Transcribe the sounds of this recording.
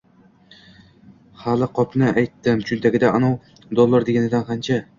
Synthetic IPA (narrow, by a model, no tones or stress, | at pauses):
χalɪqʰɒpnɪʔajt̪ːɪmt͡ʃʰʊnt̪ʰaɡʲɪd̪aʔanɒw | d̪olˠːaɾd̪eɡʲanɪd̪anqʰant͡ʃʰa